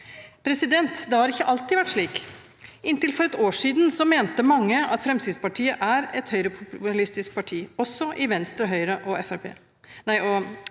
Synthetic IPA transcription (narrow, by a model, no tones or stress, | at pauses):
pʰɾɛsɪd̪ɛnt̪d̪ɛhɑɾɪkːəʔɑlt̪ɪʋæʈːʂɭiːk | ɪnt̪ɪlfɔɾɛt̪oːʂiːd̪n̩sɔmeːnt̪əmɑŋːəɑt̪fɾɛmsiːspɑʈʰiːəʔæɾɛt̪hœʏɾəpʰʊplɪst̪ɪsk̚pʰɑʈʰiːɔsːɔʔɪʋɛnst̪ɾɔɦœʏɾəʔɔɛfæɾpʰḛː | næɪɔ